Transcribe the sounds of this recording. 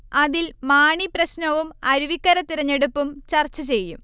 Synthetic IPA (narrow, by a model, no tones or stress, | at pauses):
ɐðilmaːɳiprɐɕnɐʋumɐɾuʋikːɐɾɐt̪ːiɾɐɲːe̞ɽupːumt͡ɕɐrt͡ɕːɐt͡ɕe̞jːṵm